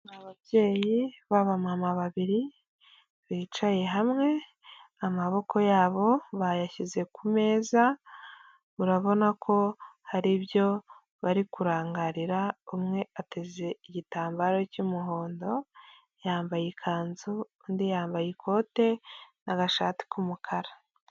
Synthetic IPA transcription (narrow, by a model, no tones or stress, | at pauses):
naβaβje̞ːjiβaβamamaβaβiɾi | βiːt͡ʃaje̞ɦamŋe̞ | amaβo̞kʰo̞jaːβo̞βajaçize̞kume̞ːza | βuɾaβo̞nakʰo̞haɾiβjo̞ | βaɾikuɾaːŋɡaɾiɾaumŋe̞ateze̞iɟitaːmbaːɾocumuɦo̞ːndo̞ | jaːmbajekʰaːnzu | ndijaːmbajikʰo̞ːte̞naɡaʃa̰ːti̥kumukʰaɾa